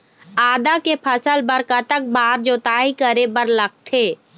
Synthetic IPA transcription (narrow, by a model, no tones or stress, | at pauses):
aːd̪akepʰɐsəlbəɾkət̪ək̚baːɾd͡ʒoːt̪aːikəɾebəɾlɐk̚t̪ʰeː